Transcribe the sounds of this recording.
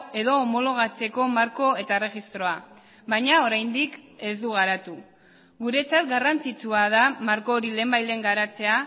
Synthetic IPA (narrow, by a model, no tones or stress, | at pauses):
e̞ðo̞ːmo̞lo̞ɣ̞at͡se̞ko̞maɾko̞e̞t̪aere̞ɣist̪ɾo̞a | βaɲao̞ɾajnd̪ike̞zd̪uɣ̞aɾat̪u | ɡuɾe̞t͡sat̪ɡarant͡sit͡suaðamaɾko̞ːɾile̞ːmbajle̞ŋɡaɾat͡se̞a